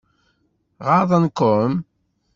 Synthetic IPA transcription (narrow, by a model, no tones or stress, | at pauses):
ʁɑðˤɑnkʊm